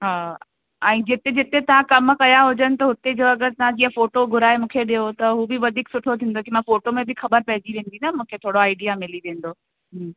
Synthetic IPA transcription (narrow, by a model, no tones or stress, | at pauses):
ɦaː | ɛ̃ːd͡ʑɪt̪ed͡ʑɪt̪et̪ɐʋ̤ãkɐmkɐjaɦʊd͡ʑənɪ̆t̪ɐɦʊt̪ed͡ʑoɐɡəɾt̪ɐʋ̤ãd͡ʑĩːə̃foːʈoɡʱʊɾaːemũːkʰeɗijot̪ɐɦuːbɪʋɐd̪ʱiːksʊʈʰot̪ʰĩːnd̪okimãfoːʈomẽbɪxɐbəɾpɐɦɪd͡ʑiʋẽːn̆d̪inamũːkʰet̪ʰoːɽoaːɪɖijamɪliʋẽːn̆d̪oː | ɦm